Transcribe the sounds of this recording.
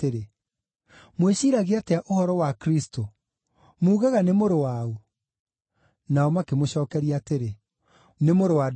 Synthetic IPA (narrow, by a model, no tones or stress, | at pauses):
eɾe | mweɕiːɾaɣeateaʔohɔɾɔwakɾisto | muːɣaɣanemoɾowao | naɔmakemoɕɔːkɛɾiateɾe | nemoɾowa